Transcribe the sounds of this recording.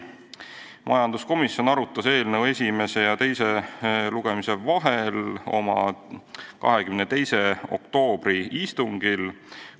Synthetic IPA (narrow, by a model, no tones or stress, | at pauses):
mʔɑ̰jɑnd̪̥usko̞misjo̞nɑɾut̪ːˑɑse̞ːlnəwe̞sʲime̞se̞jɑt̪e̞jse̞luɡ̥e̞mise̞vɑɦe̞lo̞̰mɑ̰ | kɑ̰ɦe̞kymnet̪e̞jse̞o̞̰k̚t̪o̞ːb̥ɾiist̪uŋɡ̥il